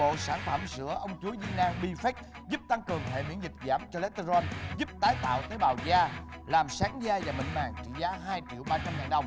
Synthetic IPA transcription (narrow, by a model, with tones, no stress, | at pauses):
o̰˧˨saː˧˩nfə˧˩msɨ̰˧˥əʔə˧wŋ͡mt͡ɕu˨˦əzḭ˧naː˧ŋɓi˧fɛ˦˥t̚ | zu˦˥p̚t̪a˧ŋkɨ˨˩əŋhḛ˧˨mḭ˧˥ənzi˨˩t̚zaː˧˩mt͡ɕɔ˧le˨˦˥t̪zɔ˧nzu˦˥p̚t̪aː˨˦jt̪a̰ː˧˨wt̪əː˨˦jɓaː˨˩wzaː˧ | laː˨˩msaː˨˦ŋzaː˧vaː˨˩ɓḭ˧˨ŋ̟maː˨˩ŋt͡ɕḭ˧˩˥zaː˨˦ɦaː˧jt͡ɕḭ˧˨əwɓaː˧t͡ɕa˧mŋaː˨˩nɗə˨˩wŋ͡m